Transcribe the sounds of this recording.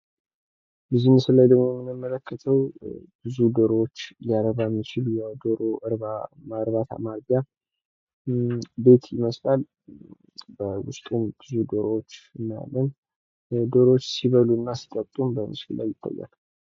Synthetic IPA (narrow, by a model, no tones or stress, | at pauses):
bɨzinəsəlːajd̪əɡmojɛmːɨnɨmːələkʰːət̪ʰəwbɨzud̪oɾwot͡ʃːlijaɾəβajɛmːit͡ʃɪljawd̪oɾoʔɨɾβamaɾβat̪ʰa̰maɾɡa | be̞t̪ʰjɪməslal | bəwʊ̰st̪ʼumbɨzud̪oɾowot͡ʃːɨnːaja̰lːən | d̪o̞ɾot͡ʃːsiβəlunːasi̥t̪ʼəβt̪ʼumbəmɨ̰skɨlːa̰jːɪt̪ʰːa̰jːa̰l